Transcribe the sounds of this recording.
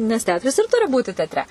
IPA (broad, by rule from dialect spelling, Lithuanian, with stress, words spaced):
nʲɛs ˈtʲɛɐtrɐs ɪr ˈtʊrʲɪ ˈbuːtʲɪ tʲɛtʲˈrʲɛ